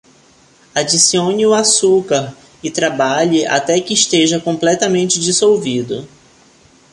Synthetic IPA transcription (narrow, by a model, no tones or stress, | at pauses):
ad͡ʒisiõɲɪʊasukaɾ | ɪt̪ɾabaʎɪʔa̰t̪ɛkɪːʃt̪eʒɐkõmplɛt̪ɐmẽnt͡ʃɪd͡ʒisowvid̪ʊ